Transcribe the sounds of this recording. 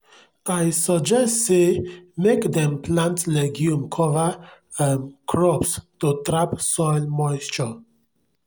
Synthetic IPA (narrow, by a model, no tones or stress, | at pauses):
ajsəd͡ʒɛstsemekdɛ̃mpʰlãntlɛɡjũmkʰɔvə | ə̃nkʰɹɔpstutɹapsɔɪlmɔɪst͡ʃɔ